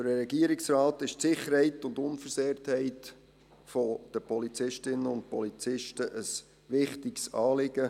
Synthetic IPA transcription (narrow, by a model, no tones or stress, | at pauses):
dəɾɾɛɡiəɾɪksrɑːtɪʃtsɪχəɾhɛɪtʊndʊnfəɾseːɾthɛɪt | fod̥əpʰɔlit͡sɪʃtɪnəʊnt̚pɔlit͡sɪʃtəʔəs | ʋɪχtɪksɑːlɪɡ̥ə